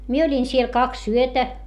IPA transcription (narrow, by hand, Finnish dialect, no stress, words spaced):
mie olʲin siel kɑks yøtæ